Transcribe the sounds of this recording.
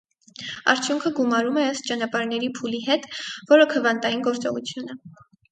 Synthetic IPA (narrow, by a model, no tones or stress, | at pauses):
ɑ̰ɾt͡sʰjuŋkʰəɡumɑɾumɛəst̪̚t͡ʃɑnɑpɑɾnɛɾipʰuliɦɛt̪vɔɾəkʰəvɑnt̪ɑjinɡɔɾt͡sɔʁut͡sʰjunə